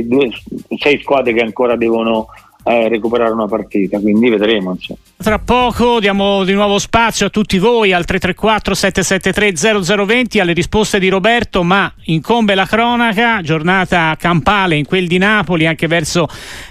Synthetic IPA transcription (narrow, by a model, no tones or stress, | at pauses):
d̪uːesɛjskwaːd̪ɾekeaŋkoːɾad̪ɛːvono | rekupeɾaːɾeunapart̪iːt̪akwind̪ived̪ɾeːmonso̰ | t̪ːɾapːɔːkod̪jaːmod̪inwɔːvospat̪sːjoat̪ːut̪ːivoːjalt̪ɾet̪ːɾekːwat̪ːɾosɛt̪ːesɛt̪ːet̪ɾed̪zɛːɾod̪zɛːɾovent̪ialːeɾispost̪ed̪iɾobɛrt̪omaiŋkombelakɾɔːnakad͡ʒornaːt̪akampaːleiŋkweld̪inaːpoliaŋk̟evɛrso